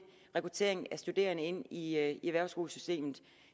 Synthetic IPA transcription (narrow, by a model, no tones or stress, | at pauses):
ʁɛkʰʁut͡sʰe̝̰ɐeŋæsd̥ud̥e̝̰ːɐnəe̝n̰iieʋæɐ̰ʊsɡ̥o̝ːləsysd̥e̝̰ːmð̩ˠ